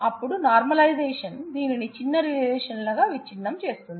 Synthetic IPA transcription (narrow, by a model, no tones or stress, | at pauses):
ɐpːuɽunaːɾmɐlɐjzɛːʂɐnd̪iːninit͡ʃinːɐɾiɛːʂɐnlɐɡaːʋit͡ʃːinːɐmt͡ʃe̞ːst̪und̪i